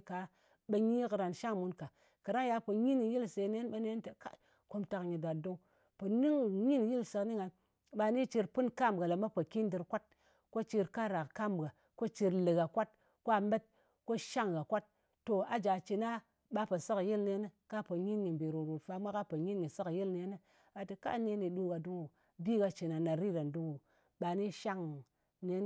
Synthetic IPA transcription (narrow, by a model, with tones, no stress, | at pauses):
ka˨ | ɓə˧ɲi˦kɾa˧nʃa˦ŋmu˦nka˨ | ka˨ɾa˦ja˧pə˨ɲi˦ni˨ji˦lse˨˦ne˦nɓe˦ne˦nte˨ka̰˦ | ko˧mta˧kɲi˨da˨du˦ŋ | po˨ni˦ŋɲi˦n˨ji˦lsɨ˧kni˦ŋa˨n | ɓa˧ni˦t͡ʃi˧ɾpɨ˦nka˦m˨ɡa˨la˨ma˦pə˨ki˦ndɨ˧ɾkʷa˦t̚ | ko˦t͡ʃi˧ɾka˦ɾa˨kka˦mbɡa˨ | ko˦t͡ʃi˧ɾlɨ˨ɡa˨kʷa˦t̚ | ko˦a˨me˦t̚ | ko˦ʃa˦ŋɡa˨kʷa˦t̚ː | o˨a˨d͡ʒa˨t͡ʃi˨na˦ | ɓa˧pə˨sɨ˦kji˦lne˧˦ni˦ka˦pə˨ɲi˦nɲi˨mbe˨ɾu˨ɾu˨tfa˧mʷa˦ka˦pə˨ɲi˦nɲi˨sɨ˦kji˦lne˧˦ni˦ | a˨tɨ˨ka̰˦ne˦ni˨du˦ɡa˨du˦ŋu˨ | bi˦ɡa˧t͡ʃi˨na˨na˨ɾi˦ɾa˨n˨du˦ŋu˨ | ɓa˨ni˦ʃa˦ŋ | ne˦n˦